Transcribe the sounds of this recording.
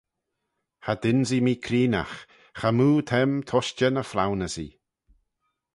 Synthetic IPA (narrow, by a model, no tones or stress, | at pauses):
had̪ɪnzimiːkʰɾiːna̰x | xamuːt̪ʰɛmt̪ʰɔʃt͡ʃənəfla̰wnəsḭ